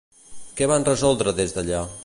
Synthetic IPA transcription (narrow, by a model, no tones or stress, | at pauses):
kɛβanrəzɔlˠd̪ɾəðezd̪əʎa